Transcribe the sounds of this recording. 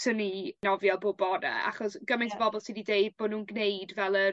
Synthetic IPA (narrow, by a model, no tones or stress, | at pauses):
səninɔvjalˠboːbɔna̰a̰χɔsɡ̥əmɪ̃ntʰəbɔbɔlˠsinideɨd̚boːdnuːnɡnejdvɛlˠə